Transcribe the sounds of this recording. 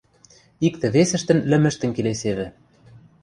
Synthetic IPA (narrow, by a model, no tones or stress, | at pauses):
ik̚t̪ɘ̆βesɘ̆ʃt̪ɘ̆nlɘ̆mɘ̆ʃt̪ɘ̆nkeleseβɘ̆